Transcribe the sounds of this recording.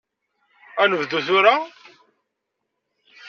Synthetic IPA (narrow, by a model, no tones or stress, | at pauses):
ænəvðuθʊɾa